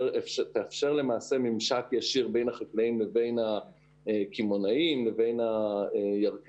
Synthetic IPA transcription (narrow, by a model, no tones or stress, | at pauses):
eʃt̪eːfʃeʁle̞maːse̞mimʃakjaʃiʁbe̞jnhaχaklaimleve̞jnha | ekimonaimleve̞jnhaejaʁk